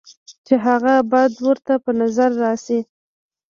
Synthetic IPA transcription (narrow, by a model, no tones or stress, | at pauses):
t͡ʃeɦaɣabɑjad̪wəɾt̪apənazaɾːɑsi